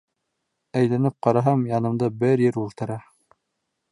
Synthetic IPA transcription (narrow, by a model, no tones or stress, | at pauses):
æjlænɘp̚qɑɾɑɦɑmjɑnɤ̆md̪ɤbɘɾjɘɾulˠt̪ɤ̆ɾɑ